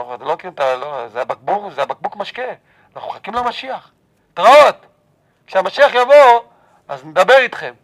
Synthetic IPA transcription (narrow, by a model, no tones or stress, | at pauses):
ovt̪lokʁimtalozeabak̚bukzeabak̚bukmaʃke | anaχuχakimlamaʃiaχ | tʁaot̪ | kʃeamaʃiaχjavo | azned̪abe̞ʁit̪χe̞m